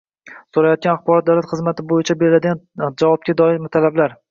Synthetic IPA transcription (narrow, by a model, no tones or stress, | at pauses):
soɾajɒt̪̚ɡʲanaχbɒɾɒt̪̚d̪awlat̪χɨzmat̪ʰɪbojɪt͡ʃʰabeɾɪlad̪ɪɡʲand͡ʒavɒb̚kʲad̪ɒɪɾmɪt̪ʰalablaɾ